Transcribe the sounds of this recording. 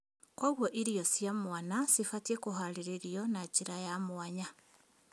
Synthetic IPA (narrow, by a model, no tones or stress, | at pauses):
kwaɣwɔʔiɾijɔsjamwanasifatiekoɦaɾeɾeɾijɔnat͡ʃiɾajamwaɲa